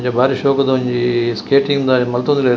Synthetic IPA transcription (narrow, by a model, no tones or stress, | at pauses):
ɲd͡ʑobʱaːɾʃoːkt̪ɐʊ̃ɪ̃ɲd͡ʑiːskeːʈɪ̃ŋɡd̪amɐlt̪ũnd̪ɪle